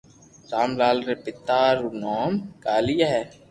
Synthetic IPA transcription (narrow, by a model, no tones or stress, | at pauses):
saːmlaːlɾepɪt̪aːɾunoːmkaːlijaɦɛː